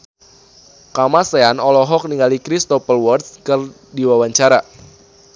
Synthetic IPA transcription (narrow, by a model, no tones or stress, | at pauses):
kamaseanɔlɔɦɔk̚niŋɡalikɾist̪ɔpəlwɔr̚skɨr | diwawaɲt͡ʃaɾa